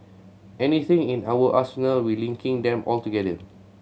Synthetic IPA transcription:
ʔɛnit̪ɪ̃ŋĩnawəʔasənəlwilĩŋkʰɪ̃ŋdɛ̃mʔɔltuɡɛdə

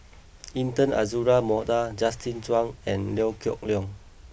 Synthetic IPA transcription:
ĩntə̃na̰zuɹamɔdad͡ʒastĩnt͡ʃwãŋɛ̃nlɛwkjɔ̰k̚liɔ̃ŋ

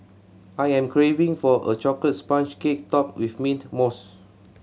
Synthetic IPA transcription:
ajɛ̃mkʰɹevĩŋfɔʔə̰t͡ʃɔklət̚spãnt͡ʃkek̚tɔp̚wifmĩntmos

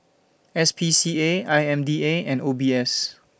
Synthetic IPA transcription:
ɛspʰisieajɛ̃mdieɛ̃ndobiɛs

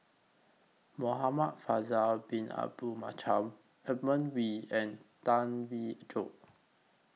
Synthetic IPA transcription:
moɦamat̚fazalbĩna̰bumat͡ʃʰãm | ɛmə̃nwiɛ̃ntãnwid͡ʒo̰ʔ

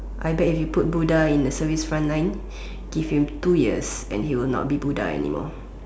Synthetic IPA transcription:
ʔajbɛifjuput̚budaĩndəsəvisfɹãnlãj̃n | ɡ̥ifhĩmtujiəsɛ̰̃nhiwilnɔ̰t̚bibuda̰ɛ̰nḭmɔ̰

